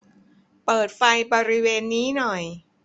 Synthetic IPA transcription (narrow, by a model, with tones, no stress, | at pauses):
pɤː˨˩t̪̚fa˧jbɔː˧ɾi˦˥weː˧nːiː˦˥nɔ˨˩j